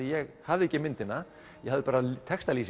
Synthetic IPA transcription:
ijɛɣhavðɪɛcːɪmɪnt̪ɪnːa | jɛhavðɪpaːɾat̪ʰɛkst̪aliːs

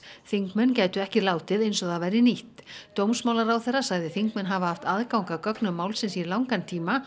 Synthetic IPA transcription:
θiŋkmɛncaːjt̪ʏɛhcɪlaːwt̪ɪðejnsɔðavajɾɪniht̪t̪owmsmaːwlaɾawθɛrasaɣðɪθiŋkmɛnɦavahaft̪aðkawŋkakœknʏmːaːwlsɪnsilawŋkant̪ʰiːma

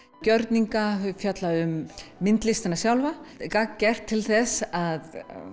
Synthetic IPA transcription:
cœɾt̪niŋkafjœt̪laʏmːɪnt̪lɪst̪anːasjawlvakakcɛr̥t̪ʰːɪlθɛsað

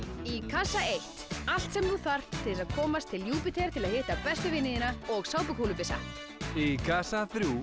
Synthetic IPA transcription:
ikʰasaejht̪al̥t̪sɛmðuθar̥t̪tʰːɪlɪsaðkʰɔːmast̪ʰːɪlːjuːpɪt̪ʰɛɾ̥t̪ʰɪlaðhɪːht̪apɛst̪ʏvɪnːɪðɪnaɔɣsaːwpʏkʰuːlʏpɪsa̰ | ikʰasaθɾjuː

